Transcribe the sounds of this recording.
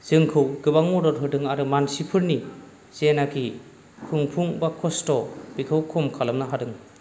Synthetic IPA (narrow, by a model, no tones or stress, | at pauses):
z̥ɯŋkʰɯwɡɯbaŋmɔdɔtɦɯdɯŋaɾɯmansipʰɯɾni | zenaki | kʰuŋpʰuŋbakʰɔstɔb̥ikʰɯwkʰɔmkʰalɯmnaɦadɯŋ